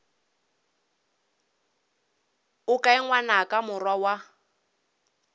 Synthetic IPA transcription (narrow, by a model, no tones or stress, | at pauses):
ʊkʼaɪŋwanakʼamʊrwawa